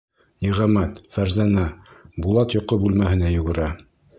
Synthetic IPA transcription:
niʁæmæt̪fæɾzænæbulˠɑt̪jŏqːɤbʉlmæhɘ̆næjɵ̆ɡɘ̆ɾæ

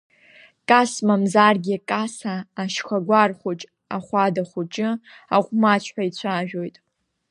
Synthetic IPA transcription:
kʼasmamzarɡʲikʼasaːʃχʷaɡʷarχʷʊt͡ʃʼ | aχʷadaχʷʊt͡ʃʼɪ | aʁʷʼmat͡ɕʷʰħʷᶣait͡ɕʷʰaʒᶣo̞jtʼ

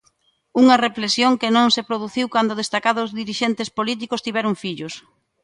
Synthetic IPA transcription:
uŋɐreflesjoŋkɪnõŋsepɾoð̞uθiwkand̪ʊð̞est̪akaðʊzðiɾiʃent̪espolit̪̬ikʊst̪iβɛɾʊŋfiʎʊs

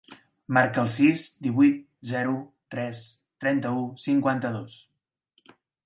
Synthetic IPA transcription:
maɾkəlˠsizd̪iβujt̪̚ | zɛɾut̪ɾɛs | t̪ɾɛnt̪əusiŋkwant̪əðos

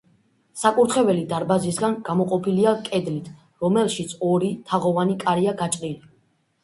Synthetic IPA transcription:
sakʼuɾt̪ʰχɛvɛlid̪aɾbazisɡanɡ̥amɔqʼɔpʰiliakʼɛd̪lit̪ʰ | ɾɔmɛlˠʃit̪sʰɔɾit̪ʰaʁɔvanikʼaɾiaɡat͡ʃʼɾili

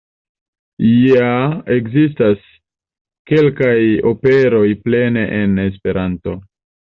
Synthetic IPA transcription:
jae̞kzis̬tas | ke̞lkajo̞pe̞ɾo̞jple̞ne̞ʔene̞s̬pe̞ɾanto̞

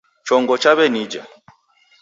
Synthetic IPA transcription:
t͡ʃɔŋɡɔt͡ʃaβɛnid͡ʒa

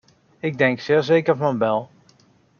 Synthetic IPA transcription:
ɪɡ̚dɛŋksɪːɹzeːkərfɔnbɛlˠ

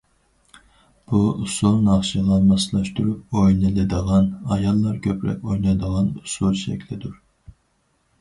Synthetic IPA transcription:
b̥uusulˠnɑχʃɨʁɑmɑslˠɑʃt̪uɾup̚ojnɨlˠɨd̪əʁɑnɑjɑlˠːɑɾkʲʰøpɾɛ̰kʲojnɑd̪əʁɑnusulˠʃɛ̰kʲlɪd̪uɾ

